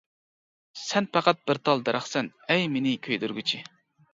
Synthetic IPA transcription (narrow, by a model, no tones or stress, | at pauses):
sɛnpɑqɑt̪̚b̥ɪɾt̪ʰɑlˠd̪ɛɾʔæχsɛn | ɛjmenɪkʲʰøjd̪yɾɡʲyt͡ʃʰi